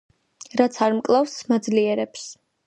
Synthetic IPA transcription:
ɾat̪sʰaɾmkʼlˠafsmad̪zliɛɾɛps

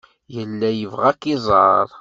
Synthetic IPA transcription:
jəlːæjəvʁækːizˤəɾˤ

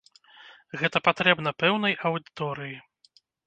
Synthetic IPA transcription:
ɣɛt̪ɐpat̪ɾɛbnɐpɛwnɐjɐwd̪ɨt̪ɔɾɨji

